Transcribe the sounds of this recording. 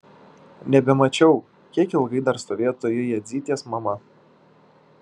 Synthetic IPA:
nʲɛbʲɛmɐt͡ʃʲɛʊ | kʲiɛkɪlˠɡɐɪd̪ɐɾst̪oːʋʲeːt̪oːjojɛd̪zʲiːt̪ʲeːsmɐmɐ

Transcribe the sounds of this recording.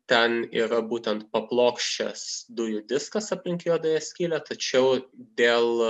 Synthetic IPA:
t̪ʲɛnḭːɾɐbuːt̪ʲɛnt̪pɐplˠoːkʃʲt͡ʃʲɛ̰sd̪ʊjʊd̪ʲɪskɐsɐpʲlʲɪŋʲkʲjoːd̪ɐjɛsʲkʲiːlʲæt̪ɐt͡ʃʲɛʊd̪ʲeːlˠ

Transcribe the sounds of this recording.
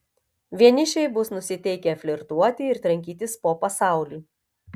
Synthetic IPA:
ʋʲiɛnʲɪʃʲɛɪbʊsnʊsʲɪt̪ʲɛɪkʲɛɐfʲlʲɪɾt̪uɔt̪ʲɪɪɾt̪ɾɐŋʲkʲiːt̪ʲɪspoːpɐsɑˑʊlʲiː

